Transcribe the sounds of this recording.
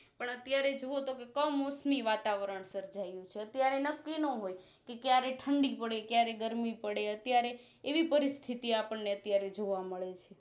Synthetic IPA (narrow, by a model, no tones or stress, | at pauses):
pəɳət̪jaɾed͡ʒoʋot̪okekəmosmiʋat̪aʋɾəɳsəɾd͡ʒajũt͡ʃʰeət̪jaɾenəkːinə̃ɦoj | kekjaɾeʈʰəɳɖipəɽekjaɾeɡəɾmipəɽeət̪jaɾeː | ʋipəɾist̪ʰit̪iapəɳneət̪jaɾed͡ʒoʋaməɭet͡ʃʰe